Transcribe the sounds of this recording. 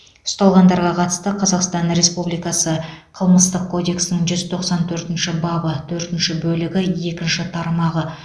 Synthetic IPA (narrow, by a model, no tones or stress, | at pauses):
ʊ̥st̪ɑlˠʁɑnd̪ɑɾʁɑqʰɑt̪ə̥st̪əqʰɑzɑqst̪ɑnɾe̞spublijkɑsəqʰəlˠməst̪əq̚kʰo̞d̪e̞ksnɪŋʒʏzt̪ʰo̞qsɑnt̪ʰɵɾt̪ɪnʃɪbɑbət̪ʰɵɾt̪ɪnʃɪbɵlɪɡʲɪje̞kʲɪnʃɪt̪ʰɑɾmɑʁə